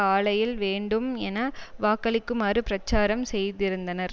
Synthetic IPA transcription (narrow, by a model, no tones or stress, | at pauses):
aːɭɐjɪlʋeːɳɖɯmɛnɐʋaːkːɐɭɪkːɯmaːrɯpɾɐt͡ʃːaːɾɐmsɛjðɪɾɯnd̪ɐnɐɾ